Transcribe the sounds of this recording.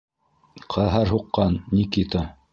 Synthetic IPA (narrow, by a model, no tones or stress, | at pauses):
qʰɑɦɑɾɦuqːɑnːikit̪a